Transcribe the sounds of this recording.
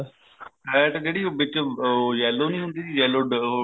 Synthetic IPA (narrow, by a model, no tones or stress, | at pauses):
ɛːʈd͡ʒeːɽiːʋɪt͡ʃːjɛːloːnəĩːɦʊ̃nd̪iːt̪ʰiːjɛːloːɖ